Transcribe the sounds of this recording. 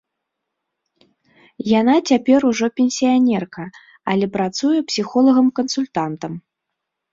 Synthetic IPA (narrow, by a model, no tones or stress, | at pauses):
janat͡sʲapʲɛɾuʐɔpʲenʲsʲijanʲɛrkɐ | ɐlʲɛpɾat̪sujɛpsʲixɔlˠɐɣɐmkɐnsulʲt̪ant̪ɐm